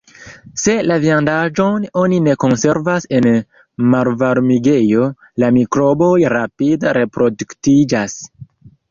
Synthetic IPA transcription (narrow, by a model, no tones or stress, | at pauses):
se̞laviandaʒo̞no̞nine̞ko̞nse̞ɾvase̞n | maɾvaɾmiɡe̞jo̞ | lamikɾo̞bo̞jɾapidaɾe̞pɾo̞duktid͡ʒas